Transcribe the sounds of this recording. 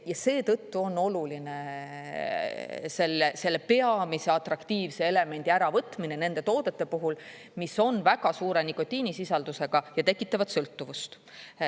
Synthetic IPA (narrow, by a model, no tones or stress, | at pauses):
jɑse̞ːt̪ɤt̪ːuo̞nːo̞luline | se̞lːese̞lːepe̞ɑmise̞ɑt̪rɑkt̪iːvse̞e̞le̞me̞nʲd̪̥iæɾɑvɤt̪mine̞ne̞nd̪e̞t̪o̞ːd̪̥e̞t̪ːe̞puɦul | miso̞nvæɡ̥ɑsuːɾe̞niko̞t̪ʲːˑiːnisisɑld̪use̞ɡ̥ɑjɑt̪e̞kːˑit̪ˑːɑvɑd̪̥sɤlt̪ːuvust̪